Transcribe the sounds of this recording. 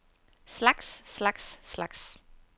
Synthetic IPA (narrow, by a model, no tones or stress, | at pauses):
slɑɡ̥sːlɑɡ̥sːlɑɡ̥s